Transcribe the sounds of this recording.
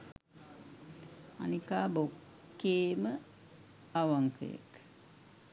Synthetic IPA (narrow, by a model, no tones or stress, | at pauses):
a̰nikaːbokː | eːmə | aʋaŋkʰə̰jə̰k